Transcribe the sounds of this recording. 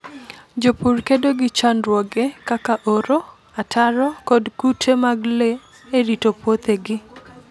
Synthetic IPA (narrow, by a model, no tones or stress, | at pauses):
d͡ʒopurkedoɡɪt͡ʃanɾwɔɡekakaʔoɾo | atʰaɾɔkɔdkutʰemaɡle | eɾitopwot̪eɡɪ